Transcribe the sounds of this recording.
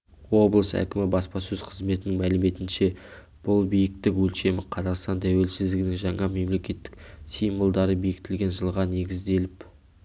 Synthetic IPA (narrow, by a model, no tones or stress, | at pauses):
wo̞blˠəsæ̰kʲɪmɪbɑspɑsɵzqʰəzme̞t̪ɪnɪŋmælɪme̞t̪ɪnʃe̞ | b̥ʊlˠbijɪk̚t̪ɪkwɵlʃe̞mɪqʰɑzɑqst̪ɑnt̪ʰæwe̞lsɪzd̪ɪɡɪnɪŋʒɑɴɑme̞mle̞kʲe̞t̪ːɪ̥ksijmbəlˠd̪ɑɾəbijɪkt̪ɪlɡʲe̞nʒəlˠʁɑne̞ɡʲɪzd̪e̞lɪp